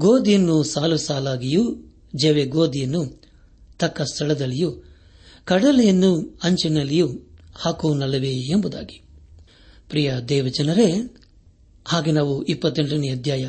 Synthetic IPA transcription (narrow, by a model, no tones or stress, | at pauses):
ɡoːd̪ijɐnːusaːlusaːlaːɡiju | d͡ʒeʋeɡoːd̪ijɐnːu | t̪ɐkːɐst̪ʰɐɭɐd̪ɐlːiju | kɐɽɐlɛjɐnːuɐɲt͡ʃinɐlːijuhaːkuːnɐlɐʋeːmbud̪a̰ːɡi̥ | pɾijɐd̪ɛːʋɐd͡ʒɐnɐɾe | haːɡenaːʋuʔipːɐt̪ːeɳʈɐniɐd̪ʱjaːjɐ